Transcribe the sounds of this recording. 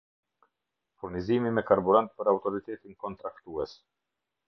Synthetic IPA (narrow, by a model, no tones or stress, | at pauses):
fuɾnizimimɛkaɾbuɾant̪̚pəɾawt̪ɔɾit̪ɛt̪inkɔnt̪ɾakt̪uɛs